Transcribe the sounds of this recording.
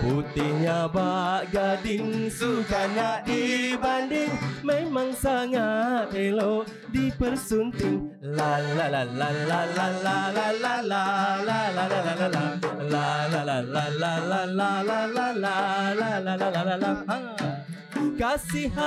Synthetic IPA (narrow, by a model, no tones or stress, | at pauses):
put̪ɪɲabaʔɡadɪŋsubaɲaʔdibandɪŋmemaŋsaŋat̪eloʔ | dipərsunt̪ɪŋlalaalalalalalalalalalalalaalalalalalalalalalalalalalalalalalaha | kasiɦa